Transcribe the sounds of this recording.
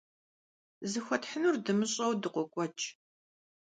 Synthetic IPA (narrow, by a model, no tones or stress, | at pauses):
zɨxʷɔtħənurdɨmɨɕʼɐwdɨqʷɔkʷʼɔt͡ʃʼ